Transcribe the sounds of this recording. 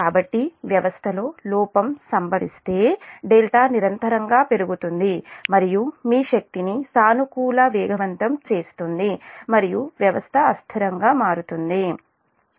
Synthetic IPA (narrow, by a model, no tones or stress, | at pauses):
kaːbɐʈːiʋjɐʋɐst̪ʰɐlo̞ːlɔːpɐmsɐmbɐɽḭst̪e̞ːɖelʈaːniɾɐnt̪ɐɾɐŋɡaːpe̞ɾuɡut̪und̪imɐɾijumiːʃɐk̚t̪inisaːnukuːlɐʋɛːɡʱɐʋɐnt̪ɐmt͡ʃe̞ːst̪und̪imɐɾijuʋjɐʋɐst̪ʰɐːst̪ʰiɾɐŋɡaːmaːɾut̪und̪i